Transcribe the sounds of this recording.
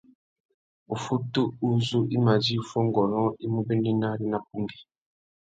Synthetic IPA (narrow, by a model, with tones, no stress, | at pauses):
u˨fu˦tu˦u˦zu˦ʔi˦ma˨zi˦u˨fɔ˦ŋɡɔ˨lɔ̃˦i˦mu˦be˦ndi˦na˦ɾi˦na˦p̚u˦ŋɡi˨